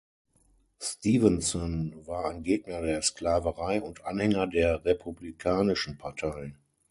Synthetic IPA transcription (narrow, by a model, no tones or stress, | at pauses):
stiːvənsɔnvaːɐaɪnɡeːɡnɐdeːɐsklaːvəʁaɪʊntʔanhɛŋɐdeːɐʁepʰublikʰaːnɪʃn̩pʰaɐtʰaɪn